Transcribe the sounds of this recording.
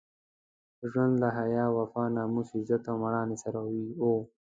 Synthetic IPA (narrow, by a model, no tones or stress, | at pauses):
ʒwand̪laɦajɑːwafɑːnɑːmusizat̪awmaɽɑːnesaɾawio